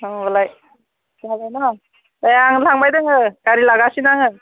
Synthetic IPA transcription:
ɯŋbalaj | sabajnɔ | aaŋlaŋbajdɯŋɯɡaɾilaɡasinaŋɯ

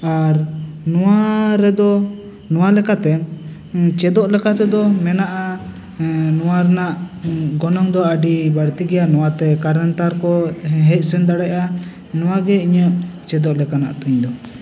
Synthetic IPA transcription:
aɾnɔwaɾɛd̪ɔ | nɔwalɛkat̪ɛ | t͡ʃɛd̪ɔʔlɛkat̪ɛd̪ɔmɛnaʔa | nɔwaɾɛnaʔɡɔnɔŋd̪ɔaɖibaɽt̪iɡɛjanɔwat̪ɛkaɾənt̪aɾkɔɦɛc̚sɛnd̪aɽaʔa | nɔwaɡɛiɲəʔt͡ʃɛd̪ɔʔlɛkana̰ʔt̪əɲd̪ɔ

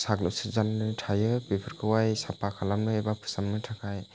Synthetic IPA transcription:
saɡlɔsɯzannɯtʰajɯbepʰɯɾkʰɯwajsapakʰalamnɯebapʰɯ̥samnɯtʰakʰaj

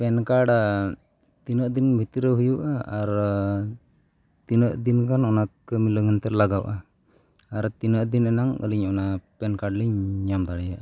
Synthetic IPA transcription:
pɛnkaɽa | t̪inəʔd̪inbʱit̪ɾəɦujuʔaːɾ | t̪inəʔd̪inkʰanɔnakːmiləɡant̪ɛɾlaɡawʔaː | ɾt̪inəʔd̪inɛnaŋə̰liɲɔnapɛnkaɖliɲɲamt̪aɽɛjaʔa

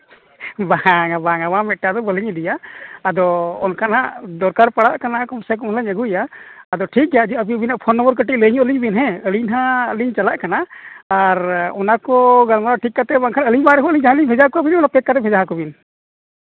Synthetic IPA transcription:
baŋabaŋabamɛt̪̚ʈad̪ɔbəliɲɛd̪ijaːd̪ɔɔnkanaʔd̪ɔɾkaɾpaɽaʔkanakɔmsɛkɔmlaɲəɡujaːd̪ɔʈʰik̚jad͡ʒɛəbibinaʔpʰɔnːɔbəɾkəʈiʔ̚ləɲɔʔliɲbinɦɛ̃əliɲnɦaliɲt͡ʃalaʔkanaaɾɔnakɔɡalmaɾaʈʰikːat̪ɛbaŋkʰanəliɲbaɾɛkɔəliɲd͡ʒaɦãliɲpʰɛd͡ʒakɔabinɔnapɛtkat̪ɛpʰɛd͡ʒaɦakɔbin

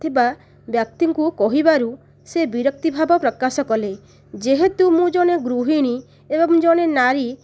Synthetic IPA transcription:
t̪ʰiba | bjak̚t̪iŋkukɔɦibaɾu | sebiɾɔk̚t̪ibʱabɔpɾɔkasɔkɔle | d͡ʒeɦet̪umũd͡ʒɔɽ̃eɡɾuɦiɽ̃i | ebɔŋd͡ʒɔɽ̃enaɾi

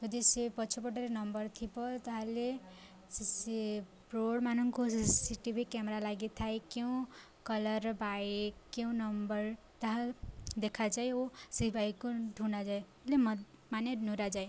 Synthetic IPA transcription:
jʌd̪isepʌt͡sʰupʌʈʌɾenʌmbʌrt̪ʰipʌt̪ʌɦãle | sisi | proɽmanʌŋkosissiʈibʱikamɾalaɡit̪ʰajkjew̃ | kʌlʌɾbajkjew̃nʌmbʌr | t̪ʌɦãd̪ekʰad͡zajosibʱajkoɖʱunad͡zaj | lemʌmanenuɾad͡zaj

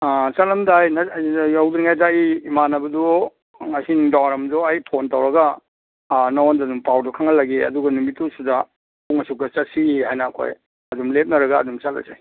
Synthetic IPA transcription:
at͡ʃalɐmdajnajawdɾiŋajdaiːmanɐbɐdɔ | ŋajsiniŋdawaɾɐmdɔajpʰontawɾɐɡa | nowndadumpawdɔkʰaŋɐlaɡeɐ̰duɡɐnumitːusuza | uŋɐsuk̚tɐt͡ʃɐsiiɦajnaːkʰo̰j | ɐdumlep̚nɐɾɐɡa̰ːdumt͡ʃala̰za̰j

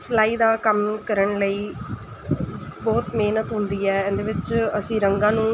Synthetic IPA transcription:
səlaːiːd̪aːkəmkəɾəɳləiː | bɔːt̪meːnət̪ɦʊnd̪iːɛːɛ̃ːnd̪eːʋɪt͡ʃəsĩːɾəŋɡãːnũː

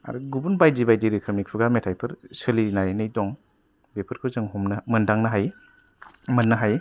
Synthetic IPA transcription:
a̰ɾuɡubunbajdibajdiɾikʰɐmik̚pʰuɡametʰajpʰɐɾsɯlinajnijdɔŋ | bepʰɐɾkʰɯzɐŋɦɔmnɐmɐndaŋnɐɦaj | mɐnːɐɦaj

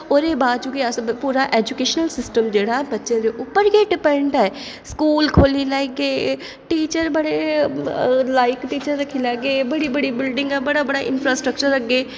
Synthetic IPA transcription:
ɔːɾeːbaːd̪̚t͡ʃuːkiɐspuːɾaʔeːd͡ʒukeːʃnəlsɪsʈəmd͡ʒeːɽaɦɛbɐtːʃẽd̪eʔʊpːəɾɡeɖɪpɛ̃ɳɖɦɛ | skuːlkʰoːlilɛːɡeː | ʈiːt͡ʃəɾbɐɽe | laːɪkʈiːt͡ʃəɾːɐkʰːilɛːɡeːbɐɽibɐɽibɪlɖɪ̃ŋɡɦɛbɐɽabɐɽaʔɪnpʰɾaːsʈɾəkt͡ʃəɾɐɡeː

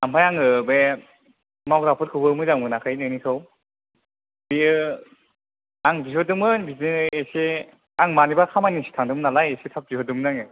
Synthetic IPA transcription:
amajaŋɯbe | mawɡɾapʰɯɾkʰɯbɯmɯzaŋmɯnakʰɯjnɯnikʰɯw | b̥iɯ | aŋbiɦɔdɯmɯnbiziɯese | aŋmanibakʰamanisi̥tʰaŋdɯmnalajesetʰap̚biɦɔdɯmnaŋɯ

